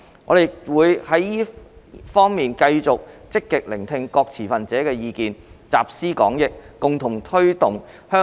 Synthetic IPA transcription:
ŋɔː˨˧d̪e˨jwuː˨˧jhɐ˨˥jjiː˥fɔː˥ŋmiː˨nkɐ˧jt͡sʊ˨k̚t͡sɪ˥kːɪ˨k̚lɪ˨˩ŋt̪ʰɪ˧ŋkɔː˧k̚t͡sʰiː˨˩fɐ˨nt͡sɛː˨˥kɛː˧jiː˨˧kiː˨nt͡saː˨p̚siː˥kɔ̰ː˨˥ŋjɪ˨k̚ːʊ˨ŋt̪ʰʊ˨˩ŋt̪ʰɵ˥ɥt̪ʊ˨˩ŋ | hœː˥

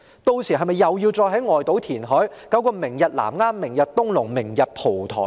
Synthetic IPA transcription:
t̪o˧wsiː˨˩ɦɐ˨jmɐ˨jːɐ˨wjiː˧wt͡sɔː˧jɦɐ˨˥jŋɔː˨jt̪o˨˥wt̪ʰiː˨˩nɦɔː˨˥jkɐ˨˥wkɔː˧mɪ˨˩ŋjɐ˨t̚la̰ː˨˩mŋaː˥mːɪ˨˩ŋjɐ˨t̚t̪ʊ˥ŋlʊ˨˩ŋmɪ˨˩ŋjɐ˨t̚pʰo˨˩wt̪ʰɔ̰ː˨˩

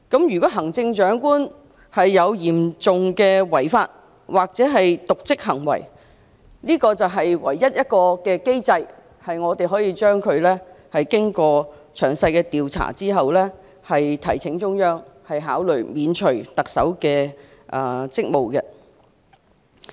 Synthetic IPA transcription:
kɐ˨˥mjyː˨˩kɔː˨˥ɦɐ˨˩ŋt͡sɪ˧ŋt͡ʃœː˨˥ŋkuː˥n | hɐ˨jːɐ˨˧wjiː˨˩mt͡sʊ˨ŋkɛː˧wɐ˨˩jfaː˧t̚ | waː˨k̚t͡sɛː˨˥ɦɐ˨jt̪ʊ˨k̚t͡sɪ˥k̚ɦɐ˨˩ŋwɐ̰˨˩j | liː˥kɔː˧t͡sɐ˨wɦɐ˨jwɐ̰˨˩jːɐ˥t̚jɐ˥t̚kɔː˧kɛː˧ke˥jt͡sɐ˧j | hɐ˨jŋɔː˨˧t̪e˨˩jɦɔː˨˥jiː˧t͡ʃœː˥ŋkʰɵ˨˧ɥlɛː˥hɐ˨jkɪ˥ŋkɔː˧t͡ʃʰœː˨˩ŋsɐ˧jkɛː˧t̪iː˨wt͡sʰa̰ː˨˩t͡siː˥ɦɐ˨wlɛ˥ | hɐ˨jt̪ʰɐ˨˩jt͡sʰɪ˨˥ŋt͡ʃʊ˥ŋjœː˥ŋhɐ˨jɦaː˨˥wlɵ˨ɥmiː˨˧nt͡ʃʰɵ˨˩ɥt̪ɐ˨k̚sɐ̰˨˥wkɛː˧ | ʔɐ˨t͡sɪ˥k̚mo˨wkɛ˧

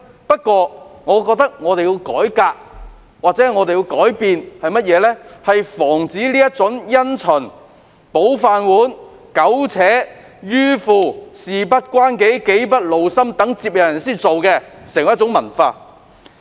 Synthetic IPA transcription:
pɐ˥t̚kʷɔː˧ŋɔː˨˧kɔː˧k̚t̪ɐ˥k̚ŋɔː˨˧t̪e˨ji˧wkɔ̰ː˨˥jkaː˧k̚ | waː˨t͡sɛː˨˥˨ŋɔː˨˧t̪e˨jiː˧wkɔː˨˥jpiː˨nhɐ˨jmɐ˥t̚jɛː˨˧lɛ˥hɐ˨jfɔː˨˩ŋt͡siː˨˥liː˥jɐ˥t̚t͡sʊ˨˥ŋjɐ˥nt͡ʃʰɵ˨˩n | po˨˥wfaː˨nwuː˨˥n | kɐ˨˥wt͡sʰɛː˨˥ | jyː˥fuː˨˧siː˨pɐ˥t̚kʷaː˥nke˨˥jke˨˥jpɐ˥t̚lo˨wsɐ˥mt̪ɐ˨˥ŋt͡siː˧p̚jɐ˨˩jɐ˨˩nsiː˥˩t͡so˨wkɛː˧sɛ˨˩ŋɐ˨jɐ˥t͡sʊ˨˥ŋmɐ˨˩nfaː˧

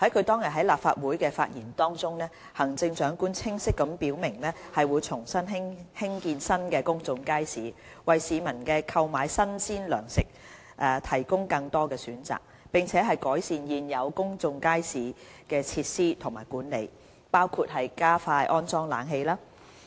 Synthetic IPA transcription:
hɐ˨˥jkʰɵ˨˧ɥt̪ɔː˥ŋjɐ˨t̚ɦɐ˨˥jlaː˨p̚fa̰ː˧t̚wuː˨˥jkɛː˧fa̰ː˧t̚jiː˨˩nt̪ɔː˥ŋt͡sʊ˥ŋnɛː˥ | hɐ˨˩ŋt͡sɪ˧ŋt͡ʃœː˨˥ŋkuː˥nt͡sʰɪ˥ŋsɪ˥kːɐ˨˧˥mpiː˨˥wmɪ˨˩ŋlɛː˥hɐ˨jwu˨˧jt͡sʰʊ˨˩ŋsɐ˥nɦɪ˥ŋhɪ˥ŋkiː˧nsɐ˥nkɛː˧kʊ˥ŋt͡sʊ˧ŋkaː˥jsiː˨˥ | wɐ˨jsiː˨˧mɐ˨˩nkɛː˧kʰɐ˧wmaː˨˧jsɐ˥nsiː˥nlœː˨˩ŋsɪ˨k̚ | ʔɛː˨t̪ʰɐ˨˩jkʊ˥ŋkɐ˧ŋt̪ɔː˥kɛː˧syː˨˥nt͡sa̰ː˨k̚ | pɪ˨ŋt͡sʰɛː˨˥ɦɐ˨jkɔː˨˥jsiː˨njiː˨njɐ˨˧wkʊ˥ŋt͡sʊ˧ŋkaː˥jsiː˨ | kɛː˧t͡sʰiː˧t̚siː˥t̪ʰʊ˨˩ŋmaː˨˩jkuː˨˥nlḛ˨˧j | paː˥wkʰu˧t̚ɦɐ˨jkaː˥faː˧jʔɔː˥nt͡sɔː˥ŋla̰ː˨˥nɦe˧jlaː˥

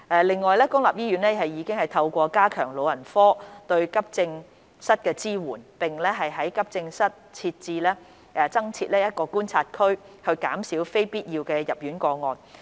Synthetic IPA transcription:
ʔɛ˨˧lɪ˨ŋːɔː˨jlɛː˥kʊ˥ŋlaː˨p̚jiː˥jyː˨˥nlɛː˥ɦɐ˨jjiː˨˧kɪ˥ŋhɐ˨jt̪ʰɐ˧wkʷɔː˧kaː˥kʰœ̰ː˨˩ŋlo˨wjɐ˨˩nfɔː˥t̪ɵ˧ɥkɐ˥p̚t͡sɪ˧ŋ | sɐ˥t̚kɛː˧t͡siː˥wuː˨˩npɪ˨ŋlɛː˥ɦɐ˨jɦɐ˨˥jkɐ˥p̚t͡sɪ˧ŋsɐ˥t̚t͡sʰiː˧t̚t͡siː˧lɛː˥ | ʔɛː˨˩t͡sɐ˥ŋt͡sʰiː˧t̚lɛː˥jɐ˥t̚kɔː˧kuː˥nt͡sʰaː˧t̚kʰɵ˥ɥ | hɵ˧ɥkaː˨˥msiː˨˥wfe˥jpiː˥t̚jiː˧wkɛː˧jɐ˨p̚jyː˨˥nkɔː˧ŋɔː˨n

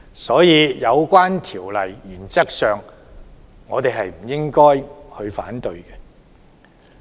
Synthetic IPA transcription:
sɔː˨˥jiː˨˧jɐ˨˧wkʷaː˥nt̪ʰiː˨˩wlɐ˨˩jːyː˨˩nt͡sɐ˥k̚sœː˨˩ŋː | ɔː˨˧t̪e˨jɦɐ˨jm̩˨˩jɪ˥ŋkɔː˥jhɵ˧ɥfa̰ː˨˥nt̪ɵ˧ɥkɛ˧

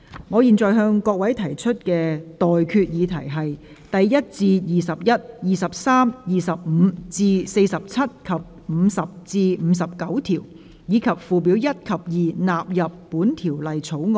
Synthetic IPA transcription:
ŋɔː˨˧jiː˨˩nt͡sɔː˨jɦœː˧ŋkɔː˧k̚wɐ˨˥jt̪ʰɐ˨˩jt͡ʃʰɵ˥t̚kɛː˧t̪ɔː˨jkʰyː˧t̚jiː˨˧t̪ʰɐ˨˩jɦɐ˨j | t̪ɐ˨jjɐ˥t̚t͡siː˧jiː˨sɐ˨p̚jɐ˥t̚jiː˨sɐ˨p̚saː˥mjiː˨sɐ˨p̚m̩ː˨˧t͡siː˧se˧jsɐ˨p̚t͡sʰɐ˥t̚kʰɐ˨˩p̚ | m̩˨˧sɐ˨p̚t͡siː˧m̩˨˧sɐ˨p̚kɐ˨˥wt̪ʰiː˨˩w | jiː˨˧kʰɐ˨˩p̚fuː˨p̬i˨˥wjɐ˥t̚kʰɐ˨p̚jiː˨naː˨p̚jɐ˨pːuː˨˥nt̪ʰi˨˩wlɐ˨jt͡sʰo˨˥wŋ˨

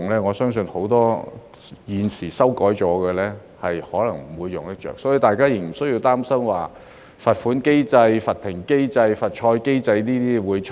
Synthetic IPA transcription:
ŋlɛː˥ŋɔː˨˧sœː˥ŋsɵ˧nho˨˥wt̪ɔː˥ | jiː˨˧nsiː˨˩sɐ˥wkɔː˨˥jt͡ʃɔː˨˥ɡɛː˧lɛː˥ | hɐ˨jhɔː˨˥lɐ˨˩ŋm̩˨˩wuː˨˧jːʊ˨ŋt̪ɪ˥k̚t͡ʃœ̰ː˨ksɔː˨˥ji˧t̪aː˨jkaː˥jɪ˨˩ŋm̩˨˩sɵ˥ɥji˧wt̪aː˥msɐ˥mwaː˨˩ | fɐ˨t̚fuː˨˥nke˥jt͡sɐ˧jfɐ˨t̪ʰɪ˨˩ŋke˥jt͡sɐ˧jfɐ˨t̚t͡ʃʰɔː˧jke˥jt͡sɐ˧jniː˥t̪iː˥wuː˨˧jt͡ʃʰ

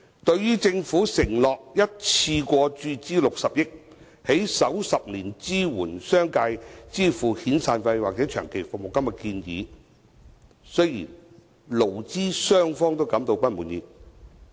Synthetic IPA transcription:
t̪ɵ˧ɥjyː˥t͡sɪ˧ŋfuː˨˥sɪ˨˩ŋlɔː˨k̚jɐ˥t̚t͡sʰiː˧kʷɔː˧t͡ʃyː˧t͡siː˥lʊ˨k̚sɐ˨p̚jɪ˥k̚ | he˨˥jsɐ˨˥wsɐ˨p̚liː˨˩nt͡siː˥wuː˨˩nsœː˥ŋkaː˧jt͡siː˥fuː˨˩hiː˨˥nsaː˨nfɐ˧jwaː˨k̚t͡sɛː˨˥t͡ʃʰœː˨˩ŋkʰe˨˩jfʊ˨mo˨wkɐ˥mjɐ˨˩kiː˧njḭː˨˧ | sɵ˥jḭː˨˩n | lo˨˩wt͡siː˥sœː˥ŋfɔː˥ŋt̪o˥wkɐ˨˥mt̪o˧wpɐ˥t̚muː˨˥njḭː˨˩

